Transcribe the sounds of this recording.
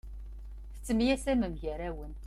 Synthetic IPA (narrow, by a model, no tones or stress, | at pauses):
θə̥t͡sːəmjæsæməmʝæɾæwən